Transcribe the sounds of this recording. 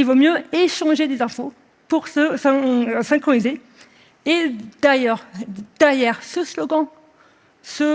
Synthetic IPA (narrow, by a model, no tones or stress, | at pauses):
ilvomjøeʃɑ̃ʒed̪ezɛ̃fo | puʁsəsɛ̃sɛ̃kχɔnize | ed̪̥ajœʁd̪̥ɛʁjɛʁsəslɔɡɑ̃ | sə